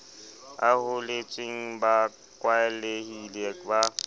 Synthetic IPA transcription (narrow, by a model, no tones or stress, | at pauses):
ahʊlɪt͡ʃʼɪŋ̩ba | kʼwaɛlehileba